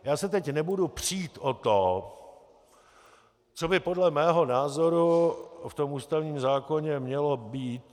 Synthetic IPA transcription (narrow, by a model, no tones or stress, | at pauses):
jaːsɛt̪ɛcnɛbudupr̝̥iːt̪ʔot̪o | t͡sobɪpodlɛmɛːɦo̞naːzo̞ɾuft̪o̞mʔuːst̪avɲiːmzaːkoɲɛmɲɛlobiːt̪